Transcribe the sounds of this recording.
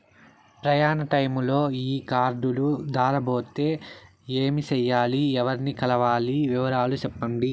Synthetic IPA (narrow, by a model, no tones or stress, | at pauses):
pɾɐjaːnɐʈɐjmlo̞ːiːkaːɾɖulud̪aːɾɐbo̞ːt̪e̞ː | eːmit͡ʃɛjːaːliɛʋɐɾnikɐlɐʋaːliʋiʋɐɾaːlut͡ʃɛpːɐɳɖi